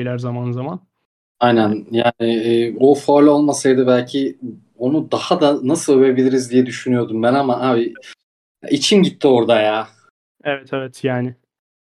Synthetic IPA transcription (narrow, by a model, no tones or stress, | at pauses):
lʲæɾzamanzaman | ajnænjaːnɪɛːofo̞ɾlʲo̞lˠmasajd̪ɯbælʲcʰi | o̞nud̪ahad̪anasɯlˠø̞ve̞bilʲiɾizd̪ijɛd̪yʃynyjo̞ɾd̪umbænamaʔaːbi | a̰ʔit͡ʃʰimɟit̪ʰːio̞ɾd̪ajaː | evɛt̪ʰɛvɛt̪ʰjaːnɪ